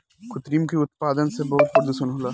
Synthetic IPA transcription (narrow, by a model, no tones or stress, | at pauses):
kʰʊt̪ɾiːmkiʊt̪̚paːd̪ənsebɐɦʊt̪̚pɐɾd̪usənɦolaː